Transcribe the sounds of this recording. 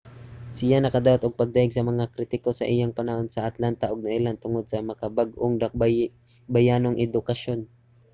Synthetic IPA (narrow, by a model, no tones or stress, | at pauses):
sɪjanɐkɐd̪aːwat̪ʔʊɡ̚pɐɡ̚d̪ajɪɡsɐmɐŋakɾit̪ɪko̞sɐ̰ʔɪjaŋpɐnɐho̞nsɐʔɐt̪lant̪ɐʔoɡ̚nɐʔɪlant̪ʊŋo̞d̪̚sɐmɐkabaɡʔoŋd̪ak | bɐjaːnoŋʔɛd̪ʊkɐʃo̞n